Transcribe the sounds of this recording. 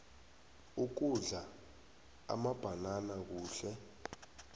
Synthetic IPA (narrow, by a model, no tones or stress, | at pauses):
uk̬uɮa | a̰mab̥ʱananak̬uːɬɛ